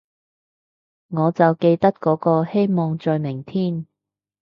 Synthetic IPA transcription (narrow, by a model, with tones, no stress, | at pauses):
ŋɔː˨˧t͡sɐ˨wke˧jt̪ɐ˥t̚kɔː˨˥kɔː˧he˥jmɔː˨ŋt͡sɔː˨jmɪ˨˩ŋt̪ʰiː˥˩n